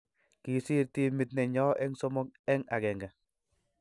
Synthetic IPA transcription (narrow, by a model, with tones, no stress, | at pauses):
ki˨si˦ɾti˦mi˨t̚nɛ˨ɲɔː˦ʔɛ˦ŋsɔ˦mɔ˦k̚ɛ˦ŋa̰˨kɛ˨ŋɡa˨